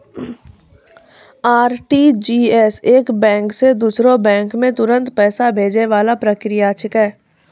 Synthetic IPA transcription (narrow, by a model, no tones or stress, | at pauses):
aːɾʈid͡ʒiːɛseːkbɛ̃ːŋksed̪uːsɾõbɛ̃ːŋkmẽt̪ʊɾə̃nt̪pɛːsabʱeːd͡ʒeʋaːlapɾəkɾɪjat͡ʃʰɪkɦɛː